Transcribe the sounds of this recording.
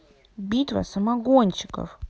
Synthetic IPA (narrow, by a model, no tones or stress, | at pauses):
bʲit̪vɐ̰sɐmaɡonʲt͡ɕɪ̥kə̰f